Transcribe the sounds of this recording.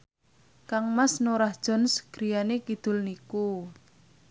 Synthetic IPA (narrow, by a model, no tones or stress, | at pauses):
kaŋmasnoɾahd̥ʒ̥ɔ̤nsɡ̥ɾijanekid̪̥ʊ̤lniku